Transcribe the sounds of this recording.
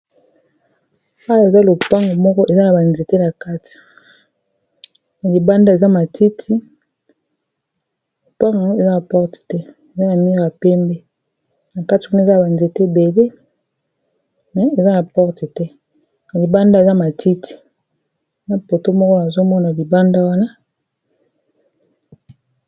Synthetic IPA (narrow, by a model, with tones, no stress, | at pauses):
a˦wa˨e˨za˦lo˨pa˦ŋɡo˨mɔ˦kɔ˦ʔe˨za˦na˨ba˨nze˨te˦na˨ka˦ti̥˨ | na˨li˨ba˦nda˦e˨za˦ma˨tʰi˦tʰi˦ | lo˨pa˦ŋɡa˨ŋo˦e˨za˦na˨pɔ˦ʁti̥˨tɛ˦ | e˨za˦na˨mi˦ʁa˨pɛ˦mbe˦ | na˨ka˦ti˨wu˦na˦˨za˦a˨ba˨nze˨te˦˨be˨le˦ | mɛ˨e˨za˦na˨pɔ˦ʁti˨tɛ˦ | na˨li˨ba˦nda˦e˨za˦ma˨ti˦tʰi̥˨ | na˦po˨to˦mɔ˦kɔ˦na˨zo˦mɔ˦na˨li˨ba˦nda˦wa˦na˦